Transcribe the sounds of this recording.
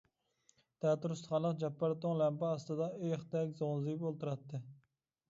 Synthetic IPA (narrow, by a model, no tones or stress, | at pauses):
t̪ʰɛt̪uɾust̪χɑnlˠəqd͡ʒɛpːɑɾt̪oŋlɛmpɛɑst̪ɨd̪ɑyjχt̪ɛkʲzoʁnzɨpolˠt̪uɾɑt̪ːɨ